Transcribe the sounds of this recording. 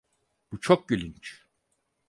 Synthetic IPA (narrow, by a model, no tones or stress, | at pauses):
b̥ut͡ʃʰok̚ɟylʲynt͡ʃ